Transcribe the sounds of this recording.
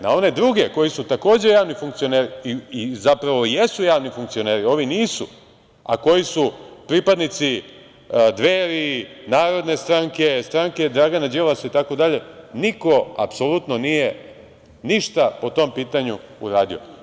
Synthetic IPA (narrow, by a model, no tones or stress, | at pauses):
nao̞ne̞d̪ɾuɡe̞ko̞jisut̪ako̞ːd͡ʑe̞jaːʋnifuŋkt̪sioneːɾiiizapɾaʋo̞jesujaːʋnifuŋk̪̚sio̞neːɾio̞ʋiniːsu | a̰ko̞jisupɾipad̪nit̪si | d̪ʋeːɾinaːɾo̞d̪ne̞st̪ɾaŋke̞st̪ɾaŋke̞d̪ɾaːɡanad͡ʑeʋasait̪ako̞d̪aʎe̞niko̞a̰pso̞lut̪no̞nije̞ | niʃt̪apo̞t̪o̞mpiːt̪aɲṵṵɾaːd̪io̰